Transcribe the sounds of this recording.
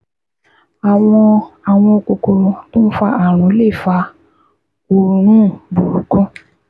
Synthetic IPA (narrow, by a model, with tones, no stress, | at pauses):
a˨w̃ɔ̃˧a˨w̃ɔ̃˧o˧˨ko˨ko˧tũ˦fa˧a˨ɾ̃ũ˨˦le˦˨fa˧ | o˧ɾ̃ũ˦bu˨ɾu˨kũ˦